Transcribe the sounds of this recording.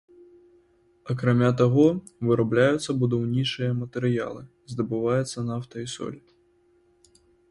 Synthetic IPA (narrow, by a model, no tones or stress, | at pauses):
ɐkɾamʲat̪aɣɔ | vɨɾablʲajut̪sːɐbud̪awnʲit͡ʂɨjɐmɐt̪ɛɾɨja̰lˠɨ | zd̪ɐbɨvajɛt̪sːɐnaft̪ɐisɔ̰lʲi